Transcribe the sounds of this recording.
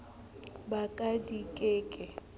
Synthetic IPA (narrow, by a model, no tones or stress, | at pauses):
bakʼadikʼeːkʼɛ